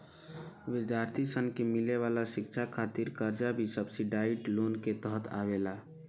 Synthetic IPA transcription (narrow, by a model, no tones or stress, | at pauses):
ʋɪd̪jaːɾt̪ʰisənkemɪleʋaːlaʃɪkʃʰakʰaːt̪ɪɾkəɾd͡ʒabʱisəbsiɖaːɪʈloːnket̪əɦət̪ʰa̰ːʋeːlaː